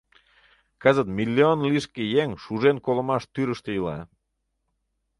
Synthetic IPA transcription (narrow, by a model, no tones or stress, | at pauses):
kəzət̪milʲːionliʃkejeŋʃuʒenkolə̆mɑʃt̪yɾəʃt̪ejəlɑ̰